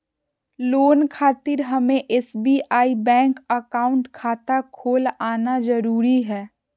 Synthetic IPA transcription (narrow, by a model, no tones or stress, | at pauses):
loːnkʰaːt̪ɪɾɦɐmẽʔɛsbiʔaːibɛ̃ːŋkəkaːʊ̃ɳʈkʰaːt̪akʰoːlaːnazəɾuːɾiɦɛː